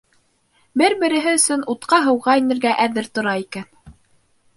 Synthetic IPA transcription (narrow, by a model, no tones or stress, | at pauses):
bɘɾbɘ̆ɾɘ̆ɦɘɵ̆sɵnut̪qɑɦɤ̆wʁɑinɘ̆ɾɡæʔæðɘɾt̪ŏɾɑikæn